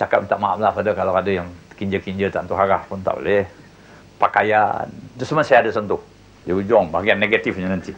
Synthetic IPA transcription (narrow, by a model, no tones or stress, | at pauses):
t͡ʃakap̚it̪aʔmaamlafadakalaadajaŋkiɲd͡ʒəkiɲd͡ʒət̪ant̪uɦaɾahpʊnt̪a̰ʔbo̰lɛh | pakaja̰ndəsəmə̃sajaadəsənt̪uh | diud͡ʒɔŋbaaɡianːeɡat̪ifɲənənt̪i